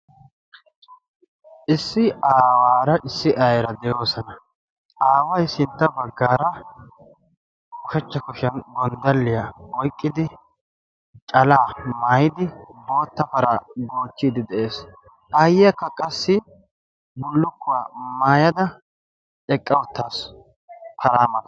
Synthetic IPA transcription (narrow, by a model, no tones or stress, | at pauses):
ʔɪsːɪaːwaːɾɐʔɪsːɪʔɐjɛɾɐd̪ɛjo̞ːsɐnɐ | ʔaːwɐjsɪnt̪ːɐbɐɡːaːɾɐ | ʊʃɛt͡ʃːɐkʊʃɐnɡɔnd̪ɐlːɪjɐɔjkʼːɪd̪ɪ | t͡ʃʼɐlaːmaːjɪd̪ɪbo̞ːt̪ːɐfɐɾɐɡoːt͡ʃːiːd̪ɪd̪ɛʔe̞ːs | ʔɐjɪɐkːɐkʼɐsːɪ | bʊlːʊkːʊwaːmaːjɐd̪ɐ | ɛkʼːɐwʊt̪ːaːs | pɐɾaːmɐt̪ɐ̥